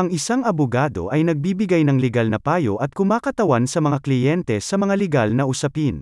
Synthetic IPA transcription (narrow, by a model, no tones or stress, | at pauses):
ɐŋɪsaŋɐbʊɡaːd̪o̞̰ʔɐjnɐɡ̚biːbɪɡajnɐŋlɛɡalnɐpaːjoʔɐt̪̚kʊmaːkɐt̪ɐwansɐmɐŋaklɪjɛnt̪ɛsɐmɐŋalɛɡalnɐʔʊsɐpin